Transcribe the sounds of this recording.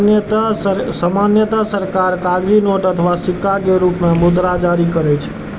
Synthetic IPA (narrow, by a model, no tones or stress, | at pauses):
t̪asəmanjət̪asəɾkaɾkaɡɾinoʈət̪ʰəʋasɪkːaɡeɾupnamʊd̪ɾad͡ʒaɾikəɾet͡ʃʰe̥